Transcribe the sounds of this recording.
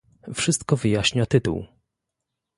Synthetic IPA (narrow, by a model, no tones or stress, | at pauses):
fʂɘst̪kɔvɘjaɕɲat̪ɘt̪ṵw